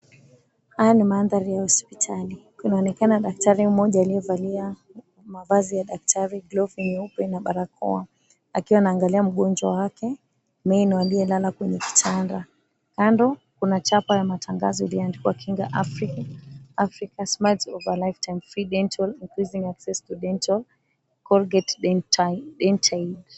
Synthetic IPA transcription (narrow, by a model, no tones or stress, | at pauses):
hajanimaːnðaɾijahɔspitʰali | inaɔnɛkanaɗak̚taɾim̩mɔʄaːlijɛvalia | mavazijaɗak̚tʰaɾiɡlɔvinupɛnaɓaɾakʰɔ̰a | akiwanaːŋɡaliam̩ɠɔnd͡ʒwawakɛ | mɛinwaliɛlalakwɛɲɛki̥tʰanda | kandɔkunat͡ʃapajamatʰaŋɡa̰zɔiliandikiwakʰiŋɡa̰ʔafɾikaafɾikasmadzɔvalajftajmfɾiɗɛntʰaliŋkɾiziŋɡaksɛstuɗɛntal | kɔlɡɛt | ɗɛntʰal